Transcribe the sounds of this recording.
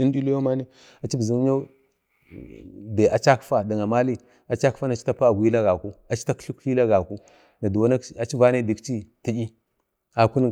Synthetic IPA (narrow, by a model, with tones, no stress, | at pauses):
i˦n˦di˦lu˦jo˦ma˦ni˦ | a˨t͡ʃi˦bzu˨˦m˦ɲa˦ | de˨ʔa˨t͡ʃa˦kfa˦da˨ŋa˨ma˦li˦ | a˨t͡ʃa˦ka˦na˨t͡ʃi̥˦ta˦pa˦a˨ɡʷi˦la˦ɡa˨ku˦a˨t͡ʃi̥˦ta˦kɬi˦kɬi˦la˦ɡa˨ku˦ | na˨du˨wa˦na˦a˨t͡ʃi˦va˦ne˦di˨kt͡ʃi˦ti˦i˦ | a˨ku˦n˦